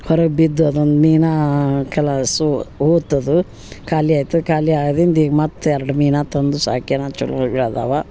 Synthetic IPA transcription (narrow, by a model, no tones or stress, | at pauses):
hɔɾɐɡbid̪ːuɐd̪ond̪miːnakɛlasuhoːt̪ːɐd̪u | kaːliaːjt̪ukaːliaːɡd̪ind̪iːɡmɐt̪ːɛɾɐɖmiːnat̪ɐnd̪usa̰ːkenat͡ʃulkbiɭad̪a̰ːʋa